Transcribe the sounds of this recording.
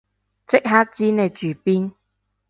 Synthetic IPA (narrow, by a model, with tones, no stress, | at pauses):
t͡sɪ˥k̚ɦaː˥t͡siː˥ne˧jt͡ʃyː˨˩piː˦˥n